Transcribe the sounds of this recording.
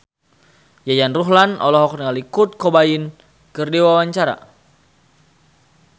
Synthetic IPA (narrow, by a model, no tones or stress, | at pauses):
jajanruɦlanʔɔ̰lɔɦɔkrəŋalikut̪̚kobain | kərdewawaɲt͡ʃaɾa̰